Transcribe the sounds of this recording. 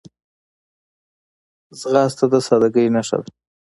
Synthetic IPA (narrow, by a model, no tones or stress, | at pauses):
zɣɑst̪ad̪əsɑd̪aɡəjnaʂa̰l